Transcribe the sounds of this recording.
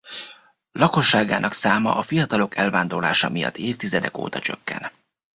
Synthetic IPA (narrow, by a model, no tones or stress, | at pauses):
lɒko̞ʃːaːɡaːnʔɒksaːmɒ̰ʔɒfijɒt̪ɒlo̞kɛlvaːnd̪o̞rlaːʃɒmijɒ̰t̪ːeːft̪izɛd̪ɛko̰ːt̪ɒt͡ʃø̰kːɛ̰n